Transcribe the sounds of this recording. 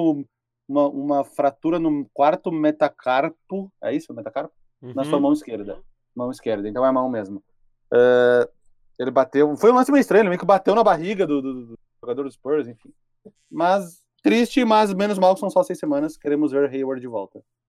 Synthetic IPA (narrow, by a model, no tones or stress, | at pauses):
ũmɐʔũmɐfɾat̪uɾɐnʊkwaɾt̪ʊmet̪akʰaɾpʊɛ̰isʊmet̪akaɾpʊ̥ | nɐsuɐmɐ̃w̃iskeɾd̪ɐ | mɐ̃w̃iskeɾd̪ɐẽt̪ɐ̃w̃ɛmɐ̃w̃mezmʊ | ɛ | elɪbat̪ewfojũlɐ̃sʊmejist̪ɾɐ̃jʊeɪmejʊkɪbat̪ewnɐbaɦiɡɐd̪ʊd̪ʊd̪ | ʒoɡad̪oɾd̪ʊspɛɾzẽfĩ | mɐs | t̪ɾist͡ʃɪmɐzmẽnʊzmawkɪsɐ̃w̃sɔsejsemɐ̃nɐskeɾẽmʊzveɾɦejwɔɾd͡ʒɪvɔwt̪ɐ